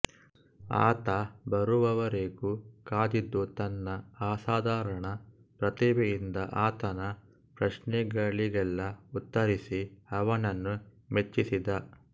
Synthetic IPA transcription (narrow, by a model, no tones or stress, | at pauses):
a̰ːt̪ɐbɐɾuʋɐʋɐɾeɡukaːd̪id̪ːut̪ɐnːɐaːsaːd̪aːɾɐɳɐ | pɾɐt̪iːbejind̪ɐʔaːt̪ɐnɐ | pɾɐʃnɛɡɐɭiɡɛlːɐut̪ːɐɾisiɐʋɐnɐnːu | met͡ʃːisid̪ɐ